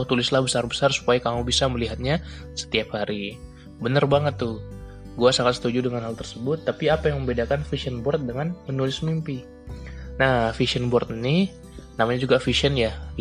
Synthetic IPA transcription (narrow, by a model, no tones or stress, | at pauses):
t̪ulɪslahbəsarbəsarsu̥pajakamubisaməliɦat̪̚ɲa | sə̥t̪iap̚haɾʔi | bənərbaŋət̪ːʊh | ɡuasaŋat̪sə̥t̪ud͡ʒudəŋanɦalt̪ərsəbʊt̪ːapiapajaŋməmbedakanfisiənbɔrt̪̚dəŋanmənulɪsmimpi | nahfisiənbɔrt̪ni | namaɲad͡ʒuɡafisiənja